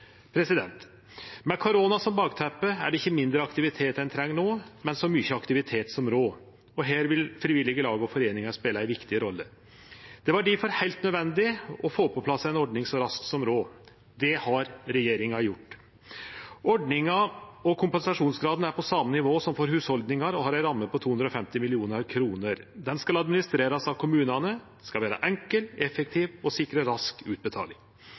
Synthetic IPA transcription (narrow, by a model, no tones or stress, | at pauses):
pʰɾɛsɪd̪ɛnt̪ | mɛkʰʊɾoːnɑsɔmbɑːɡt̪ʰæpːəæ̰ɖɛɪçːəmɪnd̪ɾəɑkt̪ɪʋɪt̪ʰeːt̪ɛnt̪ʰɾɛŋːnoːmɛnsɔmʏçəɑkt̪ɪʋɪt̪ʰeːt̪sɔmɾoː | ɔɦæːɾʋɪlfɾɪʋɪlɪɡəlɑːɡəɔfɔɾeːnɪŋɑspeːləæɪʋɪkt̪ɪəɾɔlːə | d̪̥ɛʋɑɖɪfɔɾhæɪlt̪nœd̪ʋɛnd̪ɪɔfoːpʰːɔpʰlɑsːəæɪnɔɖɳɪŋsɔɾɑsksɔmɾoː | d̪ɛhɑɾɾɛjeːɾɪŋɑjʊʈː | ʔɔɖɳɪŋɑɔkʰʊmpɛnsɑʂuːnsɡɾɑːd̪n̩æɾpʰɔsɑmːənɪʋoːsɔmfoːɾhʉːshɔld̪nɪŋɑɾɔɦɑɾæɪɾɑmːəpʰɔt̪ʰuːɵnd̪ɾɔfɛmt̪ɪmɪlɪuːnɑɾkʰɾuːnəɾd̪ɛnskɑlɑd̪mɪnɪst̪ɾeːɾɑsɑtkʰʊmʉːnɑnəskɑlʋæːɾɑ̰ʔɛŋkəlɛfɛk̚t̪ʰiːʋɔsɪkɾəɾɑskʉːt̪̚bət̪ʰɑ̰ːlɪŋ